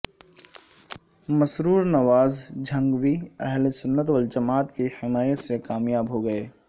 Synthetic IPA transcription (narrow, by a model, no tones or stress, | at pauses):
mɐsɾuːɾnɐʋaːzd͡ʒʱɐ̃ŋɡʋiɛɦlsʊnːət̪wəld͡ʒɐmaːt̪kihɪmaːjət̪sekaːmjaːbɦoɡɐeː